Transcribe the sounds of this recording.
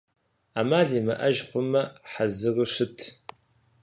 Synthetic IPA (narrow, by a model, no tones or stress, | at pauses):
amaːɮiːmɐʔɐʒχʷʊmɐħazɨrɨʂɨtʰ